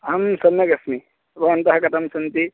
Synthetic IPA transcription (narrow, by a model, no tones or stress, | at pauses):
ɦɐmsɐnːɐɡɐsmi | bɐʋɐnt̪ɐɦɐkɐt̪ʰɐmsɐnt̪i